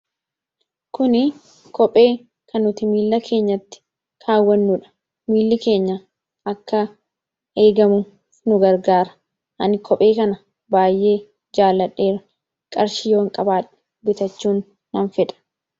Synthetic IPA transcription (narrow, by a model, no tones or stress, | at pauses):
kʊnɪ | kʰɔpʼe̞ː | kʰɐnːʊt̪ɪmiːlːɐkʰe̞ːɲːɐt̪ːɪ̥ | kʰaːwːɐnːuᶑɐ̥ | miːlːɪke̞ːɲːɐ | ɐkːɐ | eːɡɐmʊ | nʊɡɐɾɡaːɾɐ̥ | ʔɐnɪkʰɔpʼe̞ːkɐnɐ | baːjːʔe̞ː | d͡ʒaːlːɐᶑːe̞ːɾɐ | kʼɐɾʃɪjo̞ːŋkʼɐbaːᶑɛ̥ | bɪt̪ɐt͡ʃːuːnː | ɐnfɛᶑɐ̥